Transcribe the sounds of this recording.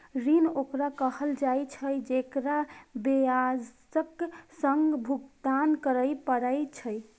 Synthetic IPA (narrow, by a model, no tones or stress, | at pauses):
ɾinokɾakəhəld͡ʒajt͡ʃʰəjd͡ʒekɾabead͡ʒ | əksəŋɡbʱuɡd̪ankəɾəjpəɾajt͡ʃʰəj